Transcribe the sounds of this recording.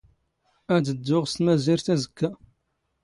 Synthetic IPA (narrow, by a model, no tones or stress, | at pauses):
æd̪əd̪ːʊʁst̪mæziɾt̪æzəkːæ